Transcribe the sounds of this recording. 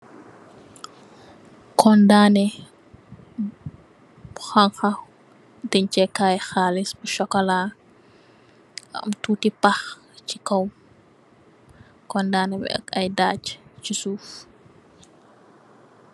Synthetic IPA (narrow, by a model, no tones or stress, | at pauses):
kʰɔndaːnɛ | xaŋxɐ | dɛɲt͡ʃɛkaːjxaːlisbuʃɔkːɔlaː | ɐ̰mtuːtipax | cikɔw | kɔndaːnɛbɛ̰ɐ̰kɐjdaːct͡ʃisuːf